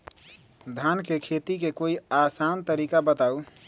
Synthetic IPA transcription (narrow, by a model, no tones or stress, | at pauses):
d̪ʱankekʰet̪ikekoiasant̪əɾikabət̪au